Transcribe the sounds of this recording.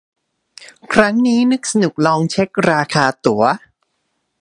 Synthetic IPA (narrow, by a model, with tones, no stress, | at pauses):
kʰɾa˦˥ŋniː˦˥nɯ˦˥k̚sa˧nu˨˩k̚lɔː˧ŋt͡ɕʰe˦˥k̚ɾaː˧kʰaː˧t̪u˩˦ɐ